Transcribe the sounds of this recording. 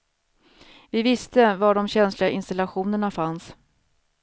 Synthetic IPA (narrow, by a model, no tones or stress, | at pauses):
vɪvɪst̪əvaɖɔmɕɛnslɪɡaʔɪnst̪alaɧuːnəɳafans